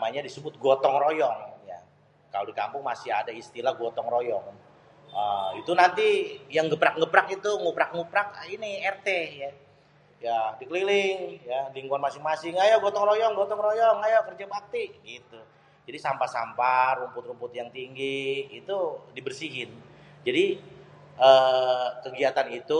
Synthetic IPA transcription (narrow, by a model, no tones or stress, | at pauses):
maɲadisəbʊt̪̚ɡɔt̪ɔŋrojɔŋja̰ | kalodika̰mpʊŋmasɪɦadaist̪ilaɡɔt̪ɔŋrojɔŋ | əit̪unant̪ijaŋɡəpak̚ŋəpɾak̚it̪uŋupɾak̚ŋupɾak̚iniɛrt̪eja | jadikəlilɪŋjadiŋɡuanmasɪŋmasɪŋajaɡɔt̪ɔŋɾojɔŋɡɔt̪ɔŋɾojɔŋajakərd͡ʒabak̚t̪iʔɡit̪u | d͡ʒadisampasa̰mpaɾumpʊt̪ɾumpʊt̪̚jaŋt̪iŋɡiːt̪udibərsiɦɪnd͡ʒadi | əkəɡiat̪anit̪u